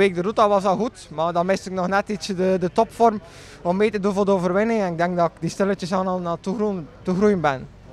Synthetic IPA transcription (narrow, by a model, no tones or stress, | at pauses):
eːɡ̚dəɾutaʋɑsɑlˠɣutmadɑnmɪstɪknɔxnɛtisədədətɔpfɔrm | ɔmːeːtədunvoːrdəoːvərʋɪnɪŋɛnɪɡ̚dɛŋɡ̚dɑɪkdistɪlətəsɑnɑlˠnatuutuɣrujənbɛn